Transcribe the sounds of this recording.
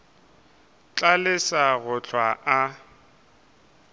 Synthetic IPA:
t͡ɬʼalɪsaɣʊt͡ɬʰwaʔa

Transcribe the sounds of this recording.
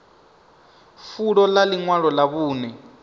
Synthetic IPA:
fuɺɔlaliŋwaɺɔlaβuːnɛ

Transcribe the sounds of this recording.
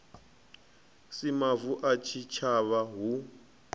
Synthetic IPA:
simavuʔat͡ʃʰit͡ʃʰaβaɦu

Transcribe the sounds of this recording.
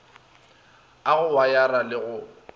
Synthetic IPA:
aɣʊwajaralɪɣʊ

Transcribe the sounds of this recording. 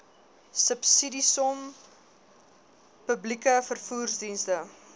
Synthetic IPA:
səpsidisɔm | pəblikəfərfuːrsdinstə

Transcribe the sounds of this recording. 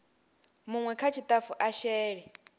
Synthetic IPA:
muŋwɛkʰat͡ʃʰit̪ʼafuʔaʃɛːɺɛ

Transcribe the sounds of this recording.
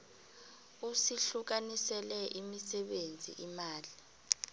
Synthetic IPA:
usiɬuk̬anisɛlɛʔimisɛɓend͡zʱḭʔimaːli

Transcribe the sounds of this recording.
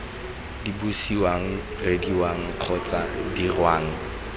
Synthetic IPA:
dibusiwaŋ̩ | rediwaŋ̩q͡χʰɔt͡sʼadirwaːŋ̩

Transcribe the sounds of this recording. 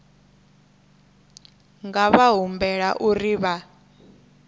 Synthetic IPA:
ŋɡaβaɦumbɛɺa̰ʔuriβa

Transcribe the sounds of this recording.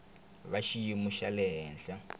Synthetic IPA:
βaʃijimuʃalɛɦɛːnɬa

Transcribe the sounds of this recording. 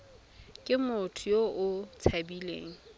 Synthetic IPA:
kʼɪmʊtʰʊjoʔʊt͡sʰabilḛːŋ̩

